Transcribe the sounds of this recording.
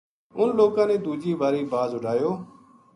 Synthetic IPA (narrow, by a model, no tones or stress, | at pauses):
ʊnloːkãːnẽːd̪uːd͡ʒiːʋaːɾiːbaːzʊɖʱaːjoː